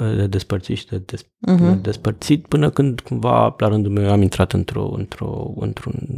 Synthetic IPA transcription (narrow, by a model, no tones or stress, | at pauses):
əd̪ed̪e̞spərt̪sit̪ʃid̪ed̪es | ed̪e̞spərt̪sit̪pɨnəkɨnd̪kumva̰laɾɨnd̪ulmewamint̪ɾat̪ɨnt̪ɾo̰ɨ̰nt̪ɾo̞̰ɨ̰nt̪ɾun